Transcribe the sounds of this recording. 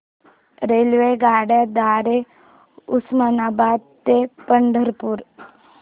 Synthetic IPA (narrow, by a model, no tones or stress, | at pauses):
ɾeːlʋeɡaːɽed̪aːɾe | usmanaːbaːd̪t̪epəɳɖʱəɾpuɾ